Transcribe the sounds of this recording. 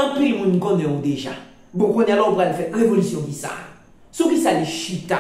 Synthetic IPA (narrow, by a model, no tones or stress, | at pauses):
ãtiimũnɡɔ̃nɛ̃odeʒa̰ | bokonialɔupalefɛɾevolisjɔ̃kisa̰ | sokisaleʃita